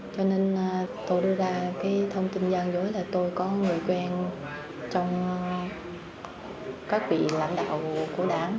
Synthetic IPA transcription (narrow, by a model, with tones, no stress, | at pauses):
t͡ɕɔ˧ne˧nːt̪o˧jɗɨ˧əzaː˧kaː˨˦jt̪ʰə˧wŋ͡mt̪i˧nzaː˧ŋzo˨˦jlaː˨˩t̪o˧jkɔ˨˦ŋɨ˨˩əjkwɛ˧n | t͡ɕɔ˧wŋ͡m | kaː˦˥k̚vḭ˧˨la̰˧˩jŋɗa̰ː˧˨wku˧˩əɗaː˧˩n